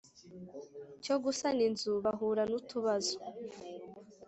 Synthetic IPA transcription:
t͡ʃoɡusaninzuβaɦuːɾanutuβazo̥

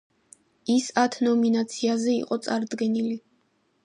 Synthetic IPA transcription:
isat̪ʰnɔminat̪sʰiazɛḭqʼɔt̪sʼaɾd̪ɡɛnili

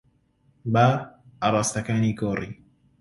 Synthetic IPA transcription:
baʔaɾˤaːst̪akaːniːkɔːɾiː

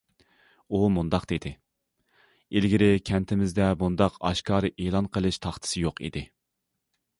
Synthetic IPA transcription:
umund̪ɑqd̪̥ed̪ɪ | ilɡʲiɾɪkʲʰɛnt̪ʰɪmɪzd̪ɛmbund̪ɑqɑ̰ʃkʰɑːɾɨʔeːlˠɑnqʰəlˠɨʃt̪ʰɑχt̪ʰɨ̥sɨjoqḭd̪ɪ

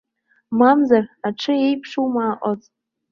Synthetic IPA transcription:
mamzaraʈ͡ʂʰɨe̞jpʰʂumaːʔʷʼat͡sʼ

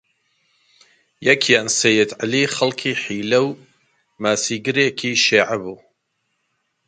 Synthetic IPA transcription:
jɐkʰjaːnsejɪd̪ʕaliːxɐlkʰiːħiːlɐw | maːsiːɡɨɾeːkʰiʃiːʕabuː

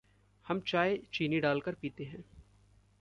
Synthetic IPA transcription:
hɐmt͡ʃaːet͡ʃiːniɖaːlkəɾpiːt̪eɦɛ̃ː

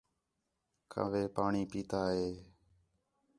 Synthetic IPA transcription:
kʰa̰ʋeːpaːɳiːpiːt̪aːɦeː

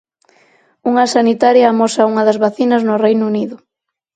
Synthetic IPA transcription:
uŋɐsanit̪aɾjɐːmosɐuŋɐðɐzβaθinɐznʊrejnʊuniðʊ

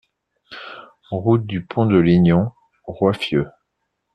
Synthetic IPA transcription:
ʁut̪̚d̪ypʰɔ̃d̪əliɲɔ̃ | ʁwafjø

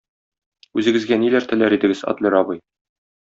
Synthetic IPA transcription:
ʉzɘ̆ɡɘ̆zɡænilæɾt̪ɘ̆læɾid̪ɘ̆ɡɘzɒ̰t̪lʲɘɾɒbɤj

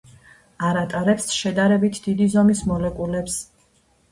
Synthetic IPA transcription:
aɾat̪ʼaɾɛpsʃɛd̪aɾɛbit̪ʰd̪̥id̪izɔmismɔlɛkʼulɛps

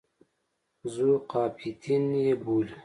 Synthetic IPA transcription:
zuqɑːpʰit̪ʰinjebul

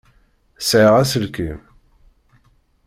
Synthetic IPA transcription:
sʕiʁæsəlkim

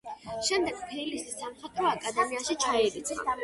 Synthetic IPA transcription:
ʃɛmd̪ɛɡ̥pʰilisisamχat̪ʼɾɔakʼad̪ɛmiaʃit͡ʃʰaɛɾit̪sʰa̰

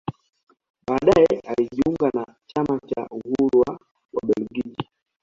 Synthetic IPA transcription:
ɓaːɗaɛaliʄiuŋɡana | t͡ʃamat͡ʃa̰uhuɾuwa | wa̰ɓɛlɡid͡ʒi

